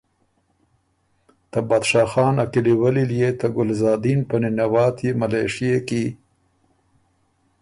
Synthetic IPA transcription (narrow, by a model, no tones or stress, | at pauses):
t̪abad̪ʃɑːxɑːnakiliwaliljet̪aɡʊlzɑːd̪inpɐninawɑːt̪jemalejʂijeki